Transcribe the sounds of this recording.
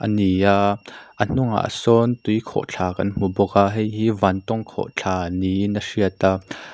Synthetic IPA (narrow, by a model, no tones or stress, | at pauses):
ʔəniaʔʔən̥ʊŋa̰ʔsɔnt̪ujkʰɔ̰ʔt͡ɬʰaːkɐ̰nm̥ubɔkaɦɛjɦiːvant̪ɔŋkʰɔ̰ʔt͡ɬʰaːninəʂiət̪a